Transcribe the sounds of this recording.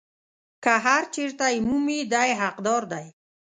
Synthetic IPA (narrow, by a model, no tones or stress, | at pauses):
kaɦaɾt͡ʃeɾt̪ajmumid̪ajɦaqd̪ɔɾd̪aj